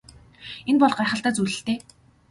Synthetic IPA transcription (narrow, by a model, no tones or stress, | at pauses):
enpɔɮχɢaːχə̆ɬt̪aːt͡sujɮɘ̆ɬt̪eː